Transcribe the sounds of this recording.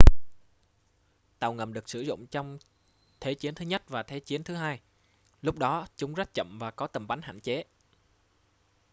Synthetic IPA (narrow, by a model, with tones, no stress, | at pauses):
t̪a˨˩wŋə˨˩mɗɨ˨˩ək̚sɨ˧˩zʊ̰˧˨wŋ͡mt͡ɕɔ˧wŋ͡m | t̪ʰe˨˦t͡ɕi˨˦ənt̪ɨ˨˦ɲə˦˥t̚vaː˨˩t̪ʰe˨˦t͡ɕi˨˦ənt̪ʰɨ˨˦ɦaː˧j | lʊ˦˥k͡p̚ɗɔ˨˦t͡ɕʊ˨˦ŋ͡mzə˦˥t̚t͡ɕə̰˧˨mvaː˨˩kɔ˨˦t̪ə˨˩mɓa˨˦ŋ̟ha̰ː˧˨nt͡ɕe˨˦